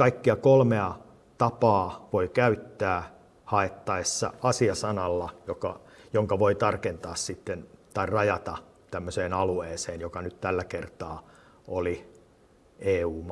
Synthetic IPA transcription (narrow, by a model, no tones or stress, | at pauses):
kɑikːiɑkolmeɑ | t̪ɑpɑːʋoikæyt̪ːæː | hɑet̪ːɑesːɑ̰ɑsiɑsɑnɑlːɑjokɑ̰joŋkɑʋoit̪ɑrkent̪ɑːssit̪ːent̪ɑirrɑjɑt̪ɑ | t̪æmːøseːnɑlueːseːnjokɑnyt̪t̪ælːækert̪ɑː | oli | eːuːm